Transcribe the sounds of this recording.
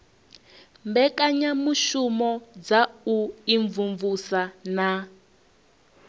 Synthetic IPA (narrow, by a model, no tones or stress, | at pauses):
mbɛkaɲamuʃumɔd͡zauiɱvuɱvusana